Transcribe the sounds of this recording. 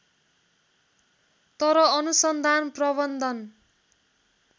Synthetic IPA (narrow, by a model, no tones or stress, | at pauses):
t̪ʌɾʌʌnusʌnd̪ʱanprʌbʌnd̪ʱʌn